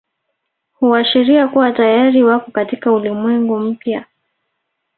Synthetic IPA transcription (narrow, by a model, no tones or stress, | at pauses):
huaʃiɾiakuwatajaɾiwakɔkatikaulimwɛŋɡum̩pja